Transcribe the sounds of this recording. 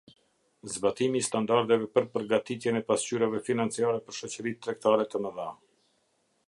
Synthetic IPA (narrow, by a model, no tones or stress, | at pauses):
zbat̪imiːst̪and̪aɾd̪ɛvɛpəɾpəɾɡat̪it̪jɛnɛpast͡ɕyɾavɛfinant͡siaɾɛpəɾʃɔt͡ɕəɾitt̪ːɾɛkt̪aɾɛt̪əməða